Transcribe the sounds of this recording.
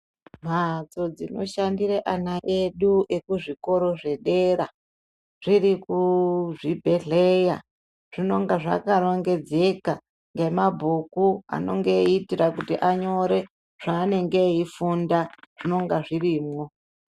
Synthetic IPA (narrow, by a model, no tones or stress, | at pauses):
m̤at͡so̞d͡zino̞̰ʃandireʔanaʔe̞ɗuʔe̞kuʐiko̞ɾo̞ʐe̞ɗe̞ɾa | ʐ̥irikuʐibʱe̞ɮe̞ja̰ | ʐ̥ino̞ŋɡaʐa̰kaɾo̞ŋɡe̞d͡ze̞ka | ŋɡemabʱukua̰no̞̰ŋɡe̞itirakutiʔaɲo̞ɾe̞ | ʐ̥aːne̞ŋɡeifundaʐ̥ino̞ŋɡaʐiriːmŋo̞